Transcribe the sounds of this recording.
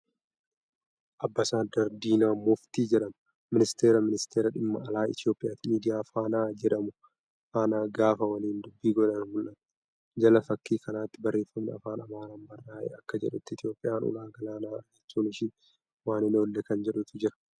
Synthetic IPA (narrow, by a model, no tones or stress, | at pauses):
ʔɐbːɐsaːd̪ɐɾd̪iːnaːmʊft̪iːd͡ʒɛᶑɐmʊ | mɪnɪst̪e̞ːɾɐmɪnɪst̪ʰeːɾɐᶑɪmːɐɐlaːɪ̰t̪jo̞ːpʼːɪjaːt̪ɪmiːd̪ɪjaːfaːnaːd͡ʒɛᶑɐmʊ | faːnaːɡaːfɐwɐniːnd̪ʊbːiːɡɔᶑɐnmʊlʔɐt̪ɐ̥ | d͡ʒɐlɐfɐkːiːkɐnaːt̪ːɪbɐrːe̞ːfɐmnɪɐ̰faːnɐmaːɾanbɐrːaːʔḛːɐkːɐd͡ʒɛ̰ᶑʊt̪ːɪt̪ɪjo̞ːpʼːɪjaːnʔʊ̰laːɡɐlaːnaːɐɾd͡ʒɛt͡ʃːuːnɪʃɪ | waːnɪnɔlːekɐnd͡ʒɛᶑʊt̪ʊd͡ʒɪɾɐ̥